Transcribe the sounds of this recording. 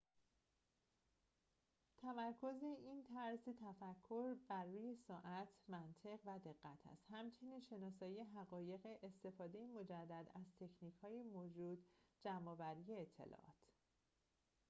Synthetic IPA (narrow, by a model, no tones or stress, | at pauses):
t̪ʰæmæɾkʰo̞zeʔiːnt̪ʰæɾzit̪ʰæfækʰːo̞ɾbærːuːje̞sɒːʔæt̪ʰmænt̪ʰe̞ɣvæd̪e̞ɣːæt̪ʰæ̰st̪hæmt͡ʃʰe̞niːnʃe̞nɒːs̬ɒːjijeɦæɣɒːje̞ɣeʔest̪e̞fɒːd̪e̞jemo̞d͡ʒæd̪ːæd̪æzt̪ʰe̞cʰniːchɒːjemod͡ʒuːd̪d͡ʒæmɒːvæɾije̞ːt̪ʰːe̞̰lɒ̰ːʔɒ̰ːt̪ʰ